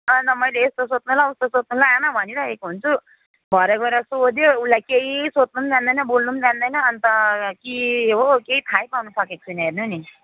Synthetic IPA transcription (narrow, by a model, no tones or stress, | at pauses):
ʌnʌmʌjleːst̪osot̪̚nulaust̪osot̪̚nulaanʌbʱʌniɾʌekoɦunt͡sʰu | bʱʌɾeɡʌɾʌsod̪joulːajkeɦisot̪̚numd̪and̪ʌjnʌbolnumd͡zand̪ʌjnʌːnt̪ʌkiɦokeit̪ʰajpawnusʌkek̚t͡sʰunʌɦernuni